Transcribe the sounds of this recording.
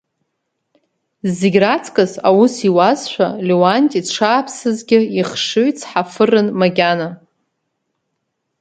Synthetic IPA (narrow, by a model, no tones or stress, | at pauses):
zeɡʲrat͡sʰkʼɨsawusiwazʃʷᶣalewantʼiʈ͡ʂʰaːpʰsɨzɡʲɪiχʂɨɥt͡sʰħafɨrɨnmaɡʲana